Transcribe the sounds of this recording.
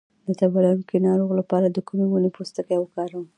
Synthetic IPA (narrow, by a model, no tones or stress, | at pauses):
d̪ət̪abɑlajunkenɑɾoɣlapɑɾad̪əkumewunepost̪əkajwəkɑɾaw